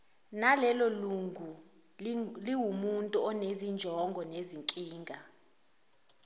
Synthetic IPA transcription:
nalɛloluŋɡʱu | liwumuntʼuɔnezind͡ʒʱɔŋɡʱɔneziŋkʼiːŋɡʱa

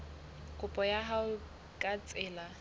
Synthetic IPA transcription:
kʼʊpʼɔjaɦaʊ | kʼat͡sʼɪːla

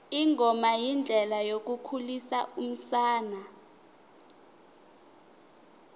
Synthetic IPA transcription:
iŋʱɔmajind͡ɮʱɛlajok̬ukʰulisaum̩saːna

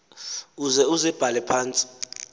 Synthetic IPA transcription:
uzɛuzɛb̥ʱalɛpʰaːnt͡sʼi̥

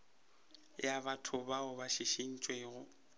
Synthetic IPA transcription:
jabatʰʊbaʊbaʃiʃin̩t͡ʃʼweːɣʊ

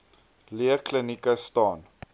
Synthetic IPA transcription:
liəklənikəstɑːn

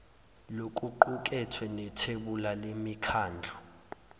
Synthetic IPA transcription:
lokʼuǃuk̬ʼɛtʰwɛnɛtʰeɓulalemikʰaːnd͡ɮʱɔ

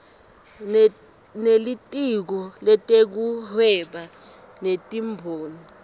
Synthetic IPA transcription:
nelitʼik̬ɔlɛtʼek̬uhɛɓa | netʼimbʱoːni

